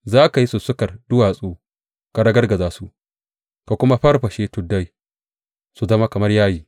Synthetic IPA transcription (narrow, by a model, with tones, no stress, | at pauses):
zaː˦ka˨ji˦su˨sʊ˦kɐ˨rdʊ˦waː˨sʼuː˦ | ka˨ɽɐ˦ɡɐ˦rɡɐ˨zaː˦su˦ʔ | ka˨kʷʊ˦ma˦ɸɐ˦rɸɐ˨ʃeː˦tʊ˨dːa˦j | su˨zɐ˦ma˦kɐ˨mɐ˦rjaː˦jiː˨